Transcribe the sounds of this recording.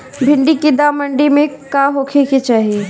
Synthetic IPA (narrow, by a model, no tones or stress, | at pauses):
bʱɪ̃ɳɖikid̪aːməɳɖimẽkaːɦoːkʰeket͡ʃaːɦie